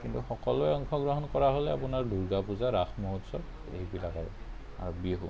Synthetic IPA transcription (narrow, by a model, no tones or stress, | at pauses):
kintuxɔkɔlɔɛɔŋkʰɔɡɹɔɦɔnkɔɹaɦolɛapunaɹdʱuɹɡapuzaɹaxmoɦutsɔt | ḛɦibilakaɹ | a̰ɹobieɦu